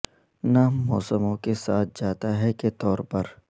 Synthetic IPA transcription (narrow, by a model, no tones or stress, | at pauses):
namɔːsəmõkesaːt̪̚ʰd͡ʒaːt̪aɦɛket̪ɔːɾpɐɾ